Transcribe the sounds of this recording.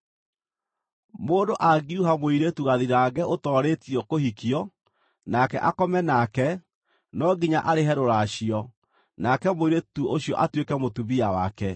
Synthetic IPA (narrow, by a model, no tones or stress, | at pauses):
moːndoʔaɡiuɦamoiɾetuɣaðiɾaːɡɛʔotɔːɾetiɔkohikiɔ | nakɛ̰ʔakɔmɛnakɛ | nɔɡiɲaʔaɾeɦɛɾoɾaɕiɔ | nakɛmoiɾetuoɕiɔ̰ʔatwekɛmotuβiawakɛ